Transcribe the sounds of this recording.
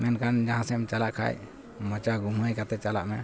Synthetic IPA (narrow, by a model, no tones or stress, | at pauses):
mɛnkand͡ʒaɦãsɛmt͡ʃalaʔkʰa̰j | mɔt͡ʃaɡuməjkat̪ɛt͡ʃalaʔmɛ̰